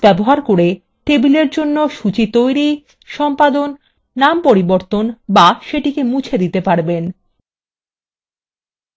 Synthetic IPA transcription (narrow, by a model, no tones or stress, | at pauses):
ɛboɦaɾkoɾe | ʈebileɾd͡ʑonːoʃut͡ɕit̪ojɾi | ʃɔmpad̪onː | ampoɾiboɾt̪onbaʃeʈikemut͡ɕʰed̪it̪epaɾben